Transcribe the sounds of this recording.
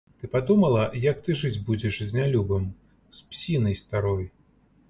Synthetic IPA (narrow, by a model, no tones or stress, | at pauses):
t̪ɨpad̪umɐlˠɐjɐkt̪ɨʐɨd͡zʲbud͡zʲɛʂzʲnʲalʲubɨm | spsʲinɐjst̪aɾɔj